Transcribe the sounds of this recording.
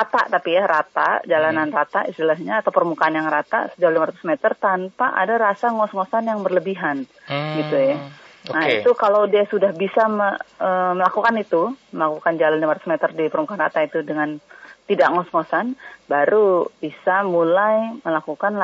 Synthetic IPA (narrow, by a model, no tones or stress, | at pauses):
rat̪a̰ʔt̪apijaɾat̪ad͡ʒalananrat̪aḭst̪ilaɦɲaːt̪awpərmukaanjaŋrat̪a̰səd͡ʒalimaɾat̪u̥smet̪ərt̪anpaʔa̰daɾasaŋɔsŋosanjaŋbərləbiɦan | ɡit̪ujanaḭt̪ukalawdiasudahbisaməəməlakukanit̪uməlakukand͡ʒalanlimaɾat̪u̥smet̪ərdipərmukanrat̪ait̪udəŋant̪idaʔŋɔsŋosanbaɾub̥isamulajməlakukanla